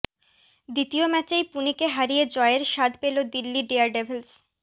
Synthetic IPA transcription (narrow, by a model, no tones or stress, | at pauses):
d̪it̪iomɛt͡ɕejpunikeɦaɾijed͡ʑɔeeɾʃad̪pelod̪ilːiɖeaɾɖebʱels